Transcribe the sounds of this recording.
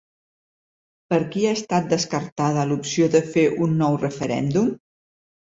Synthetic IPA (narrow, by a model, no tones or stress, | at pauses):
pəɾkiaəst̪at̪̚d̪əskəɾt̪að̞əlupsioðəfeʔunːɔwrəfəɾɛ̰nd̪um